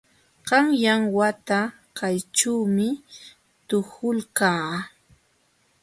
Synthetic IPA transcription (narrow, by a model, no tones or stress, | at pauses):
ɢɑŋjaŋwat̪a | kajʈ͡ʂawmɪ | t̪ʊhʊlkaː